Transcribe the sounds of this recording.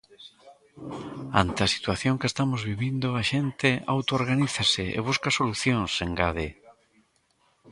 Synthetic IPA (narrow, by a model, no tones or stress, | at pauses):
ant̪eɐsi̥t̪waθjoŋkest̪amozβiβind̪ʊaʃent̪ɪa̰wt̪ooɾɣaniθasɪḛβ̞uskasoluθjõŋseŋɡaðe